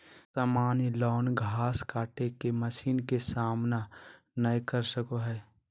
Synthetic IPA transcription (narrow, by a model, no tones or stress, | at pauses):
saːmaːnilɔːnɡʱaːskaːʈekeməsiːnkesaːmna | nəjkəɾsəkoɦɛː